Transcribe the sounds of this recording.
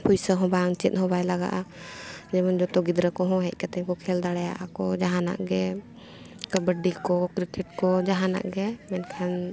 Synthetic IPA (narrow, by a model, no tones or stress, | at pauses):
pujsəɦɔ̃baŋt͡ʃɛt̪̚hɔ̃bajlaɡa̰ʔa | d͡ʒɛmənd͡ʒɔt̪ɔɡid̪ɾəkɔɦɔ̃ɦɛc̚ˀkat̪ɛkɔkʰɛld̪aɽɛja̰ʔakɔd͡ʒaɦãna̰ʔɡɛ | kəbəɖikɔkɾikɛʈkɔd͡ʒaɦana̰ʔɡɛmɛnkʰan